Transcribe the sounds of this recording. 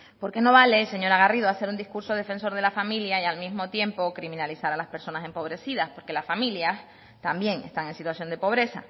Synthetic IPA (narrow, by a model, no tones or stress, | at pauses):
po̞ɾke̞no̞βale̞se̞ɲo̞ɾaɣarið̞oase̞ɾund̪ihkuɾso̞ðe̞fe̞nso̞ɾð̞e̞lafamiljaialmizmo̞t̪je̞mpo̞kɾimĩnalisaɾalaspe̞ɾso̞nase̞mpo̞βɾe̞siðaspo̞ɾke̞lasfamiljas | t̪ambje̞ŋe̞̰st̪aŋe̞nsit̪wasjo̞nd̪e̞po̞β̞ɾe̞sa̰